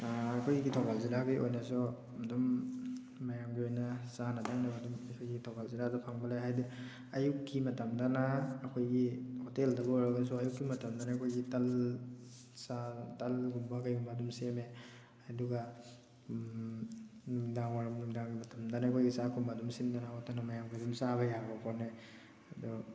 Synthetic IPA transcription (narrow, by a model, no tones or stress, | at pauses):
akʰojɡitʰɔbalzilaɡajʔojnasɔ | dumː | ajamɡiojnasanadʰaŋnabadumakʰojɡitʰɔbalziladapʰaŋbalaɦajdi | ɐjukːimɐtamdanaːkʰojɡihɔteldɐbɔojɾaɡas̬ɔɐjukːimɐtamdanakʰojɡital | satalɡumbakajumbadumseme | aduɡa | daŋaɾamnuŋdaŋɡimatʰamdanakʰojɡisakʰumbadumsindanaɔtanamajamɡidumsabajaɾbapʰɔne | adɔ